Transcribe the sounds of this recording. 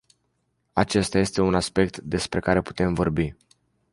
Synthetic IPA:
at͡ʃe̞st̪aje̞st̪e̞unaspe̞k̚t̪d̪e̞spɾe̞kaɾe̞pu̥t̪e̞mvo̞rbi

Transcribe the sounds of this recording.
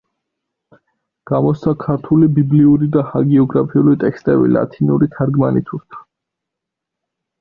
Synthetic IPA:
ɡ̥amɔsakʰaɾt̪ʰulibibliuɾid̪ahaɡiɔɡɾapʰiulit̪ʼɛkst̪ʼɛbḭla̰t̪ʰinuɾit̪ʰaɾɡmanit̪ʰuɾt̪ʰḁ

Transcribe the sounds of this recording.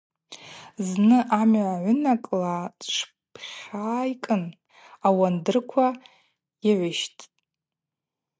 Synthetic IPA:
znɨʔamʕaʕʷʊnakʼlaʈ͡ʂʰ | pʰχʲaːikʼɨn | awandɨrkʷʰa | iʕʷʊʃtʼ

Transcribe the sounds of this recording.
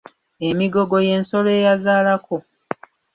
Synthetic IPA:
e̞miɡo̞ɡo̞je̞ːnso̞le̞ːjazaːlako̞

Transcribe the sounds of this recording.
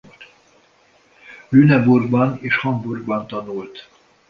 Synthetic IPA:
lynɛburɡbɒneːʃhɒmburɡbɒnt̪ɒnult̪

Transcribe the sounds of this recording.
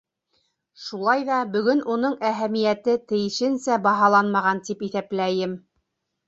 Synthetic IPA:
ʃulˠɑjðɑbɵ̆ɡɵnunɤɴæɦæmijæt̪ɘt̪ɘ̆jɘ̆ʃɘ̆nsæbɑɦɑlˠɑnmɑʁɑnt̪ipiθæplæjɘm

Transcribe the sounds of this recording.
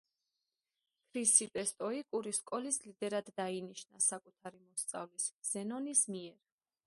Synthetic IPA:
kʰɾisit̪ʼɛst̪ʼɔikʼuɾiskʼɔlislid̪ɛɾad̪ːainiʃnasakʼut̪ʰaɾimɔst̪sʼa̰vlisz̥ɛnɔnismiɛɾ

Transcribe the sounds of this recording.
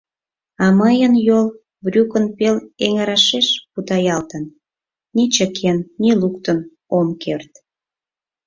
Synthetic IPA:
ɑməjənjol | βrʲukənpeleŋəɾɑʃeʃput̪ɑjɑlt̪ən | nit͡ɕəkʰenːilukt̪ən | omkʰert̪

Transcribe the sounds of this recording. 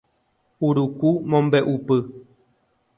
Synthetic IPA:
uɾukumɔmbɛʔupə

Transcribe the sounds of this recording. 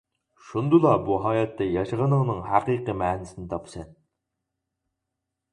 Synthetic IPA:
ʃund̪ulˠɑbuɦɑːjɛt̪ːɛjɑʃəʁənəŋnɨŋhæqiːqəmɛːnɪsɪnɪt̪ʰɑpsɛn

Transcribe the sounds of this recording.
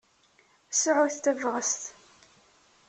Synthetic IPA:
sʕʊθt̪ævʁəst̪

